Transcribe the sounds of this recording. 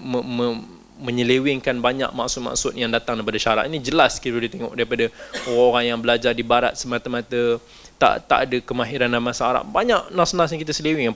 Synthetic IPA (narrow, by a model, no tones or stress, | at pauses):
məmə | mə̃ɲəlewɪŋkanbaɲa̰ʔ̚ma̰ʔsʊt̪̚ma̰ʔsʊt̪jaŋdat̪aŋdaipadaʃaɾa̰t̪inid͡ʒəlaskit̪ɾudit̪eŋɔ̰ʔdaɾipadaoɾaoɾaŋjaŋbəlad͡ʒardibaɾa̰t̪̚səmat̪amãt̪ə | t̪a̰ʔt̪a̰ʔadəkəmaɦiɾandamasaːɾa̰ʔbaɲaʔ̚nasonasɲakit̪asəlewɪŋ